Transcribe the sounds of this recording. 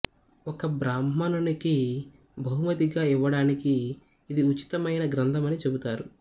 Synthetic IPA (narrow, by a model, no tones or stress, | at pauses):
ɔkɐbɾaːmːɐnuniki | bʱɐɦumɐt̪iɡaːiʋːɐɽaːnikiː | d̪iut͡ʃi̥t̪ɐmɐjnɐɡɾɐnd̪ʱɐmɐnit͡ʃe̞but̪aːɾu